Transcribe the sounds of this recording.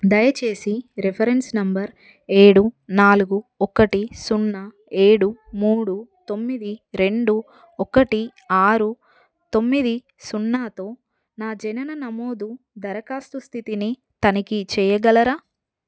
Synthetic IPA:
d̪ɐjɐt͡ʃe̞ːsiɾepʰɐɾensnɐmbɐɾ | e̞ːɽunaːluɡuɔkɐʈisunːa | e̞ːɽumuːɽut̪o̞mːid̪iɾe̞ɳɖu | ɔkɐʈiaːɾu | t̪o̞mːid̪i | sunːaːt̪o̞ː | naːd͡ʒɛnɐnɐnɐmoːd̪u | d̪ɐɾɐkaːst̪ust̪ʰit̪ini | t̪ɐnɐkit͡ʃɛːjɐɡɐlɐɾaː

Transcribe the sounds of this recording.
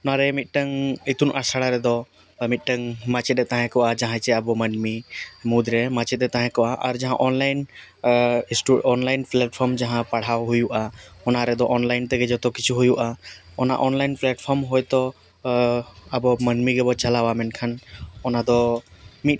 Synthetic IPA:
ɔnaɾɛmit̪̚ˀʈəŋit̪unʔasaɽaɾɛd̪ɔ | mit̪̚ˀʈəŋmat͡ʃɛt̪̚ˀɛt̪ãɦɛ̃kɔʔad͡ʒaɦãt͡ʃɛabɔmənmimud̪ɾɛmat͡ʃɛt̪̚ˀːɛt̪ãɦɛ̃kɔʔaʔaɾd͡ʒaɦãʔɔnlajn | sʈuɔnlajnplɛʈ̚pʰɔɾmd͡ʒaɦãpaɽ̤awɦujuʔaɔnaɾɛd̪ɔʔɔnlajnt̪ɛɡɛd͡ʒɔt̪ɔkit͡ʃʰuɦujuʔaɔna̰ʔɔnlajnplɛʈpʰɔɾmɦɔjt̪ɔ | abɔmənmiɡɛbɔt͡ʃalawamɛnkʰanɔnad̪ɔmit̪̚

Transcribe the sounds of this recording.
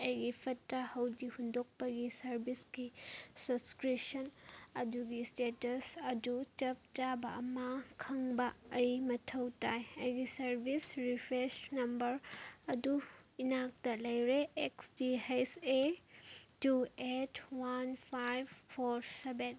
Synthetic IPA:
ɐjɡipʰɐtːɐhɐwdihundok̚pɐɡisɐɾbisɡisɐbskɾipsɐnɐduɡistetɐsɐdut͡ʃɐp̚t͡ʃabɐɐmɐkʰɐŋbɐɐjmɐtʰɐwta̰jɐjɡisɐɾbisɾipʰɾesnɐmbɐɾɐduinak̚tɐlɐjɾeeksdihese | tuetʰwanpʰajbpʰoɾseben

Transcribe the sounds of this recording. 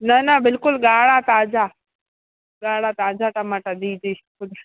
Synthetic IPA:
nɐnɐbɪlkʊlɠaːɽat̪ãːd͡ʒaː | ɡaːɽat̪ãːd͡ʒat̪ɐmaʈad̪iːd͡ʒiːxʊd̪

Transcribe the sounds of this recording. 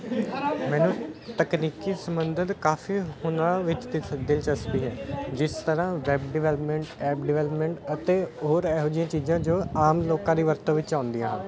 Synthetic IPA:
mɛ̃ːnũːt̪əkniːkiːsəmənd̪əd̪kaːfʰiːhʊnaʋɪt͡ʃd̪d̪ɪlt͡ʃəspiːɦɛːd͡ʒɪst̪əɾãːʋɛːb̚ɖɪʋɛːləpmɛ̃ɳʈɛːpɖɪʋɛːləpmẽɳʈət̪eːoːɾɛːɦoːd͡ʒijãːt͡ʃiːzãːd͡ʒoːaːmloːkãːɾiːʋəɾt̪õːʋɪt͡ʃãːnd̪ijãːɦãː

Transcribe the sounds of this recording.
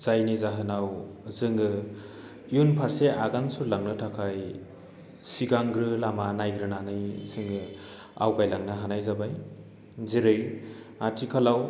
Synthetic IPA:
z̥ajnizaɦɯnawzɯŋɡɯ | junpʰaɾseaɡansuɾlaŋnɯtʰakʰaj | siɡaŋɡɾɯlamanajɡɾɯnanɯjsɯŋɡɯ | a̰wɡajlaŋnɯɦanajzabaj | ziɾɯj | atʰikʰalaw

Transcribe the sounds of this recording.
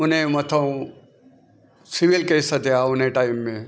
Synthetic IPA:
ʊnẽmɐt̪ʰɐ̃ | siʋilkesɐt̪jaʊnẽʈaːimːẽ

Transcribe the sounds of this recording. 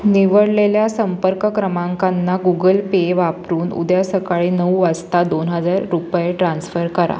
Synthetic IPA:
niʋəɽleljasəmpəɾkəkɾəmaŋkanːaɡuɡəlpeʋapɾuːnṵd̪jasəkaɭinəuʋast̪ad̪onɦəd͡zaɾːupjeʈɾãnsfəɾkəɾa̰

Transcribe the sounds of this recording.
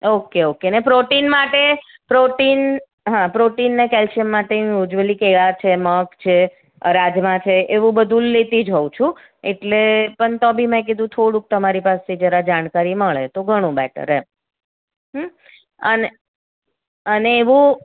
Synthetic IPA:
okeokenepɾoʈinmaʈepɾoʈin | ɦãpɾoʈinːekɛlʃijəmːaʈenjud͡ʒʋəlikeɭat͡ʃʰeməkt͡ʃʰe | ɾad͡ʒmãt͡ʃʰeʔeʋũbəd̪ʱũlːit̪id͡ʒʱɦɔut͡ʃʰũ | eʈlepəɳt̪ɔbʱiməẽk̬id̪ʱũt̪ʰoɽũk̚t̪əmaɾipast̪ʰid͡ʒəɾad͡ʒaɽ̃kaɾiməɭet̪oɡʱəɽ̃ũbɛ̰ʈʰə̰ɾe | ɦ | əne | əneːʋũ

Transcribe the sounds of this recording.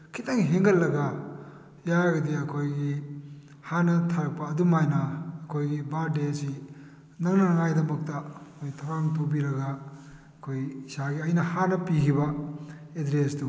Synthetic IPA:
kʰitʰaŋiɦeŋɡɐlːɐɡɐ | jaɾɐɡɐdiɐkʰojɡi | hanɐtʰaɾɐk̚pɐːdumajnɐːkʰojɡibaɾdesi | nɐŋnɐnɐŋajdɐmɐk̚tɐkʰojtʰɐɾaŋtʰobiɾɐɡɐː | kʰojisaɡiɐjnɐhanɐpikʰibɐ | edɾestu

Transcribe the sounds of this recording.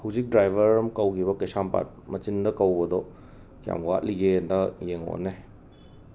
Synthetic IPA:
huwzik̚dɾajbʱɐɾɐmkɐwkiβɐkɐjsampa̰t̚mɐt͡ʃindɐkɐwbɐdɔ | kja̰mwat̚liɡendɐjeŋo̰ne

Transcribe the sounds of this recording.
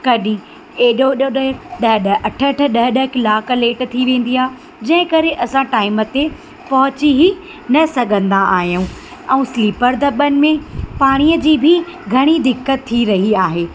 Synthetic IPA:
kɐɗĩ | eɪɗoɗoɗɐɦɗɐɦɗɐʔɐʈʰəɐʈʰəɗɐɦɗɐɦkɪlaːkleːʈt̪ʰːiʋẽːn̆d̪iaːɦ | d͡ʑɐ̃ɦɪ̃kɐɾeʔɐsãʈaːɪmə̆t̪e | pɐɦʊt͡ɕiɦi | nɐsɐɡʱə̃nd̪aʔaːɦijũ | ɛ̃ũsliːpəɾd̪ɐɓənɪ̆mẽpaːɽ̃ijəd͡ʑiːbʱɪɡʱɐɽ̃id̪ɪkːət̪ʰːiɾɐɦiaːɦeː

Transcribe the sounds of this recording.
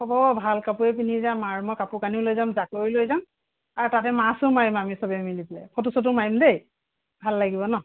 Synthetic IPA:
ɔbɔbʱalkapuɛp̬inizamaɹmɔjkapʊkaniʊlojzamzakoɹilojzam | aɹtatɛmasʊmaɹimamisɔbɛmiliplɛ̰pʰɔt̬usɔt̬ʊmaɹimdej | bʱalːaɡibɔnɔ

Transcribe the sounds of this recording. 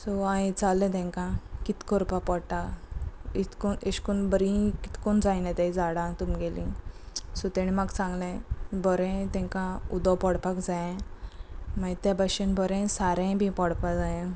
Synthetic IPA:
sɔãĩt͡salːɛ̃t̪ɛ̃ŋkãkit̪kɔɾpapɔɽʈa | it̪koeɕkonbəɾĩki̥t̪kond͡zajnɛ̃t̪eid͡zaɽãt̪umiɡelĩsɔt̪eɽ̃imaɡsãŋɡlẽbɔɾɛ̃t̪ɛ̃ŋkãud̪ɔpɔɽpakd͡zajẽ | mat̪jabaɕənbɔɾɛ̃saɾɛ̃bʱĩpɔɽpad͡zajẽ

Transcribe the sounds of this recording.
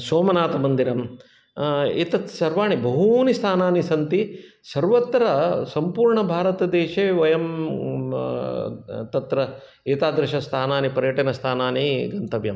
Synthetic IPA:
soːmɐnaːt̪ɐmɐnd̪iɾɐm | ḛːt̪ɐt̪sɐɾʋaːɳibɐɦunist̪ʰaːnaːnisɐnt̪i | sɐɾʋɐt̪ɾɐsɐmpuːɾɳɐbʱaːɾɐt̪ɐd̪eːʃeːʋɐjɐm | t̪ɐt̪ɾɐ | eːt̪aːd̪ɾɐʃɐst̪ʰaːnaːnipɐɾjɐʈɐnɐst̪ʰaːnaːniɡɐnt̪ɐʋjɐm

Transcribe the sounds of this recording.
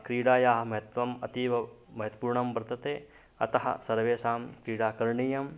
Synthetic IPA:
kɾiːɽaːjaːɦɐ̆mɐɦɐt̪ʋɐmɐt̪iːʋɐ | mɐɦɐt̪ːɐpuːɾɳɐmbɐɾɐt̪ɐt̪eː | ɐ̰t̪ɐɦɐ̰sɐɾʋeːsaːmkɾiːɽaːkɐɾɳiːjɐm

